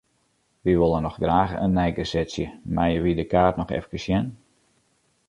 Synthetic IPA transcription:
ʋiʋolˠənɔxdraːɣəʔənːɛjɡəsɛsjəmajəʋidəkaːrtnɔxɛ̰fkəsjɛn

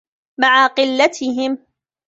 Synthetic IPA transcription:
maʕaqɨlːat̪ɪɦɪm

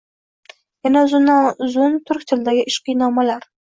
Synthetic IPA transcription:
janazʊnːanzʊnt̪ʰʊɾkʲt̪ʰɪld̪aɡʲɪʔɪʃqɨjnɒmalaɾ

